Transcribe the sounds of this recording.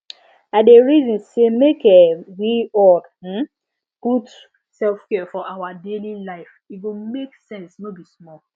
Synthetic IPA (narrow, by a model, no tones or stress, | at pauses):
adeɹizɔ̃nsemekɛwiɔd̩ | ɡ̥ud | sɛlfkɛfɔʔawadelilaɪf | iɡomeksɛ̃nsnobismɔl